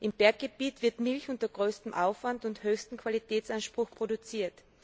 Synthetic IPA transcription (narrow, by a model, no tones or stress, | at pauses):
ʔɪmbɛɐk̚ɡ̥eb̥iːtv̥ɪɐtmɪlçʊntɐɡ̥ʁøːstm̩ʔa̰ʊfv̥antʊnthøːçstn̩kʰv̥alitʰɛːt͡sanʃpʁ̥ʊxpʁ̥odʊt͡siːɐt